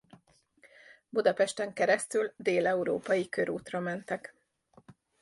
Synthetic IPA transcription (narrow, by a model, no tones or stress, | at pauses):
bud̪ɒpɛʃt̪ɛŋkɛɾɛst̪yld̪eːlɛuɾo̰ːpɒjikøɾuːt̪rɒmɛnt̪ɛk